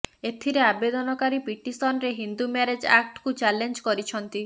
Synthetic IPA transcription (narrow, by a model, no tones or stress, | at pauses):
et̪ʰiɾeabed̪ɔnɔkaɾipiʈist̪ɔnɾeɦind̪umaɾed͡ʒa̰k̚ʈkut͡ʃalend͡ʒkɔɾit͡ʃʰɔnt̪i